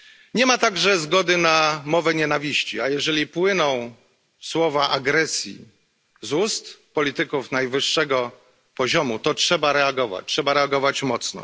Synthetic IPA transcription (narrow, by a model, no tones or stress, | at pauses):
ɲɛmat̪aɡʐɛzɡɔd̪ɘnamɔvɛɲɛnavʲiɕt͡ɕiajɛʐɛlʲipwɘnɔ̃w̃ | swɔvaʔaɡɾɛsʲjḭ | zust̪pɔlʲit̪ɘkufnajvɘʂːɛɡɔ | pɔʑɔmut̪ɔtʂɛbaɾɛaɡɔva̰t͡ɕʲtʂɛbaɾɛaɡɔvat͡ɕmɔt̪snɔ̰